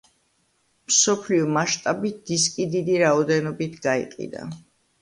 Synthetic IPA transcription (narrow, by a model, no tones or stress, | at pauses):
msɔpʰliɔmaʃt̪ʼabit̪̚d̪̥iskʼid̪id̪iɾaɔd̪ɛnɔbit̪ʰɡaḭqʼḭd̪a̰